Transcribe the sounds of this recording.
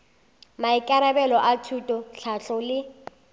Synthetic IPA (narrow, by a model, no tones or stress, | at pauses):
maɪkʼaɾabɛlɔʔatʰutʼɔɬʰaɬɔlɪ